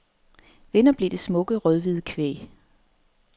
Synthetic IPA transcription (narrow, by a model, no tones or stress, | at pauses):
ʋe̝nɐb̥le̝de̝smɔ̽ɡ̥əʁœðˠʋiðˠkʰʋḛː